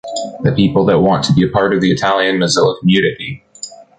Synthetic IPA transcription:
ðɨpʰipl̩ˠðət̚wɑ̃ntʰəbiɨpʰɑɹɾʌvðiɨtʰælˠjɨ̃nmɨzɪlˠəkʰm̩jʉnɨɾi

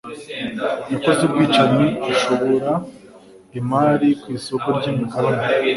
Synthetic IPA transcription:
ukozebɡwiːt͡ʃamiɡuʃo̞βo̞ɾa | imaːɾikwiːso̞koɾɟimikaɾona

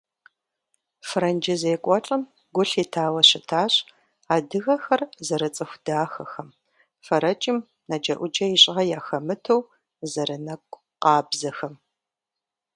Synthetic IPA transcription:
frɐnd͡ʒɪzeːkʷʼɔʈ͡ʂʼɐm | ɡʷʊɬiːtʰaːwɐɕɪtʰaːɕ | aːdɨɣɐxɐrzɐɾɐt͡sʼɨxʷdaːxɐxɐm | fɐɾɐt͡ʃʼɪm | nɐd͡ʒɐʔʷʊd͡ʒɐiɕʼʁɐjaːxɐmɨtʰɐw | zɐɾɨnɐkʷʼ | qɑːbzɐxɐm

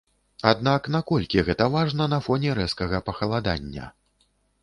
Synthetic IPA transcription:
ad̪naknakɔlʲkʲiɣɛt̪ɐvaʐnɐnɐfɔnʲɛɾɛskɐɣɐpɐxɐlˠad̪a̰nʲːɐ̰

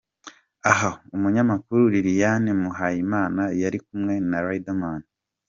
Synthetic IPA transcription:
aɦaumuɲamakuɾuɾiɾijanimuɦaːjimaːnajaɾik̚umŋe̞naɾaidaman

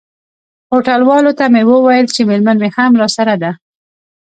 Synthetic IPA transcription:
hoʈalwɑlot̪amewəwajəlt͡ʃemelmanmehamɾɑsaɾad̪a

